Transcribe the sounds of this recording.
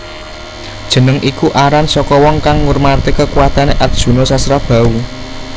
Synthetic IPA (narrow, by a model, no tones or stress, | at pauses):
d̥ʒ̥ə̤nəŋʔikuʔaɾansɔkɔwɔŋkaŋwurmart̪ekəkuwat̪aneʔat̪̚d̥ʒ̥ṳnosasɾab̥ä̤u